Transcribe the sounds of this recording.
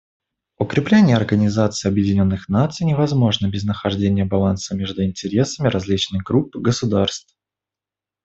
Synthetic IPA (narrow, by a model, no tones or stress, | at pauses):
ʊkɾʲɪplʲenʲɪjəɐrɡənʲɪzat̪sɨɪɐbjɪdʲɪnʲo̞nːɨxnat̪sɨjnʲɪvɐzmo̞ʐnəbʲɪznəxɐʐdʲenʲɪjəbɐlˠansəmʲeʐd̪ʊɪnʲtʲɪɾʲesəmʲɪɾɐzʲlʲit͡ɕnɨjɡɾupːɨɡəsʊd̪arst̪f